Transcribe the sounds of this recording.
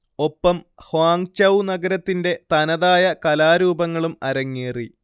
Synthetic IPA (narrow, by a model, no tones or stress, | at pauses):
o̞pːɐm | hwaːŋt͡ɕɐwnɐɡɐɾɐt̪ːinde̞t̪ɐnɐðaːjɐkɐlaːɾuːbɐŋːɐɭumɐɾɐŋːiːri